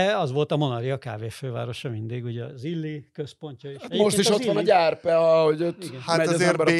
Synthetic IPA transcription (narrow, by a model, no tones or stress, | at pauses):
ɛɒzʋo̞lt̪ɒmo̞nɒɾiɒka̰ːveːføːva̰ːɾo̞ʃɒmind̪iɡuɟɒzilːikøspo̞ɲcɒeʃmoʃt̪iʃʃot̪ːʋɒnɒɟarpɛɒhoɟotiɡɛnamɛeɾbɛ